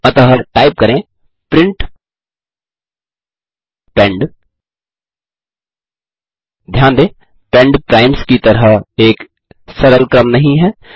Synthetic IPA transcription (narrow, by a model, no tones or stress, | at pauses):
ɐt̪əɦəʈaːɪp̚kɐɾẽ | pɾɪ̃ɳʈ | pɛ̃ɳɖ | d̪ʱjaːnd̪eː | pɛ̃ɳɖpɾaːɪmskit̪ɐɾəeːk | sɐɾəlkɾəmnɐɦĩɦɛː